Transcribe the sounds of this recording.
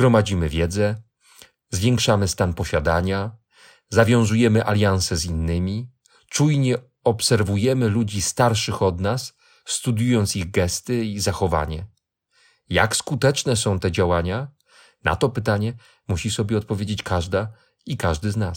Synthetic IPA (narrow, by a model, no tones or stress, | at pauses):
zɡɾɔmad͡ʑimɘvʲjɛd̪zɛ | zvʲjɛŋkʂamɘst̪anpɔɕad̪aɲa | zavʲjɔ̃w̃zujɛmɘʔalʲjañsɛzinːɘmʲi | t͡ʂujɲɛ | ɔpsɛɾvujɛmɘlud͡ʑist̪aɾʂɘxɔd̪nasː | t̪ud̪ʲjujɔnt̪siɣɡɛst̪ɘizaxɔva̰ɲɛ | ja̰kskut̪ɛt͡ʂnɛsɔ̃w̃t̪ɛd͡ʑawaɲa | na̰t̪ɔpɘt̪aɲɛ | muɕisɔbʲjɛɔt̪̚pɔvʲjed͡ʑet͡ɕkaʐd̪a | ikaʐd̪ɘznas